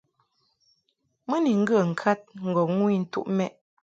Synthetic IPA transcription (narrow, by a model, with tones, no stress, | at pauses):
mə˦ni˨ŋ̩˦ɡə˦˨ŋ̩˨kʰa˦t̚ŋ̩˨ɡɔ˨ŋwi˦n̩˨tṵ˦ʔmɛ˦ʔ